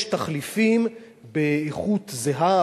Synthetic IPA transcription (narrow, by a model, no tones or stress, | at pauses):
ʃtaχlifim | beeχut̪zeɦa